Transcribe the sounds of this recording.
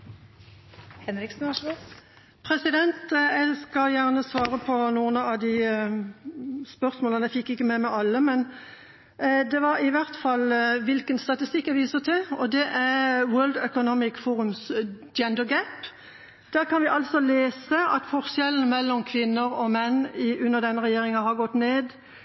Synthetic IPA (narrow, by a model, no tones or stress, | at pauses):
hɛnɾɪksn̩ | pʰʁɛsɪd̪ɛnt̪ɛskɑljæʁnəsʋɑːʁəpʰɔnuːənəɑʋd̪ɪ | spœʁsmoːlənæɪfɪkːɪkːəmɛmɛʔɑlːəmɛn | d̪ɛʋɑɾɪʋæʁt̪fɑlːʋɪlkənst̪ɑt̪ɪst̪ɪkːæʋiːsəʁt̪ʰɪɔd̪ɛʔæʁwøːld̪œkʊnɔmɪkfuːɾʉmsd̪ɛnd̪əɡæp | d̪̥æːʁkʰɑnʋɪʔɑlsɔleːsəɑt̪fɔʁʃɛlən̩mɛlːɔmkʰʋɪnːəɾɔmɛnːɪʉnːəʁd̪ɛnːəʁɛjeːʁɪŋɑɦɑʁɡɔt̪ːneːd̪